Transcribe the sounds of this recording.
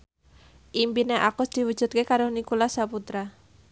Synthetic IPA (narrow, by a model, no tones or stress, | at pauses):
ʔimpineʔakʊsd̪̥i̤wu̥ʒ̥ṳt̪̚kekaɾʊhnikulasaput̪ɾa